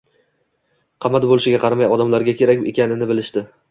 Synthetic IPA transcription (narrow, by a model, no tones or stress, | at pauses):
qʰɑmat̪bolɪʃɪɡʲaqʰɑɾamajɒd̪amlaɾɡʲakʲʰe̞ɾakʲḛkʲanɪnɪbɪlɪʃt̪ɪ